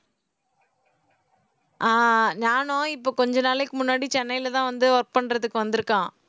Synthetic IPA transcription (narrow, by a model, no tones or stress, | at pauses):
ʔaːnaːnõːɪpːoːkɔɲd͡ʒɐnaːlɛkːɯmʊnːaːɽit͡ʃɛnːɐjɪlɐt̪ãːʋɐnd̪ɯʋɐɾk̚pɐɳɾɐðɯkːɯʋɐnd̪ɯɾɯkːãː